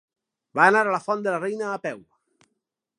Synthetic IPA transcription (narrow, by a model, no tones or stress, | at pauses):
baːnaɾələfɔnd̪əlarejnəːpɛw